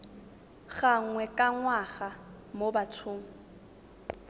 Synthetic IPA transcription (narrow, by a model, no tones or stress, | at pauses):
ɣaŋwɛkʼaŋwaɣa | mobatʰʊːŋ̩